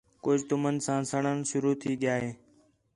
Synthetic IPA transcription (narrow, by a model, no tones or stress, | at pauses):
kʊd͡ʒʱt̪ʊmənsãːsəɳənʃʊɾuːt̪ʰiːɠɪjaːɦeː